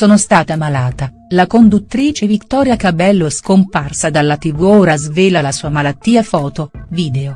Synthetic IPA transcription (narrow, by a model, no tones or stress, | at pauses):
soːnost̪aːt̪eamalaːt̪a | lakond̪ut̪ːɾiːt͡ʃevikt̪ɔːɾjakabɛlːoskomparsad̪alːat̪ivuoːɾazveːlalasuːamalat̪ːiːafɔːt̪oviːd̪eo